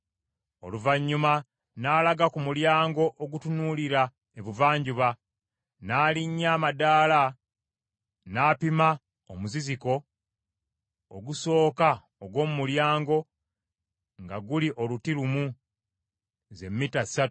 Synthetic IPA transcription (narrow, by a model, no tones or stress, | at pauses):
o̞̰luvaɲːuma | naːlaɡakumuljaːŋɡo̞ʔoɡutunuːliɾa | eβuvaːɲɟuβa | naːliɲːaːmadaːla | naːpima | omuziziko̞ | ɡuso̞ːka | oɡwo̞ːmumuljaːŋɡo̞ | ŋɡaɡuliʔo̞lutilumu | ze̞mːitasatu